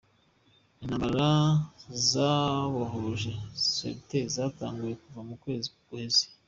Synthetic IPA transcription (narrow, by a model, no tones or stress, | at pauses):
inamaɾazaβaɦoʒe̞sḛptezata̰ːŋɡuje̞kuvamukwe̞ːzikuhe̞ze̥